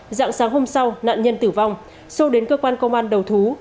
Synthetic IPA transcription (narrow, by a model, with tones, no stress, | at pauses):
za̰ː˧˥ŋsaː˨˦ŋɦo˧msa˧wna̰ː˧˨nɲə˧nt̪ɨ˧˩va˧wŋ͡m | sɔ˨˦ɗe˨˦nkəː˧kwaː˧nkə˧wŋ͡mʔaː˧nɗə˨˩wt̪ʰu˨˦